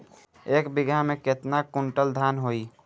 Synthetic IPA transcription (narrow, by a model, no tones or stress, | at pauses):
eːkbɪɡʱamẽkɪt̪nakʊɳʈəld̪ʱaːnɦoːiː